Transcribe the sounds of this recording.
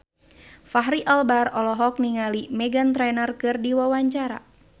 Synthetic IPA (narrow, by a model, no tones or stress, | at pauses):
faɦɾiʔalbarɔlɔɦɔk̚niŋalimɛɡant̪ɾɛnərkɨrdiwawaɲt͡ʃaɾa̰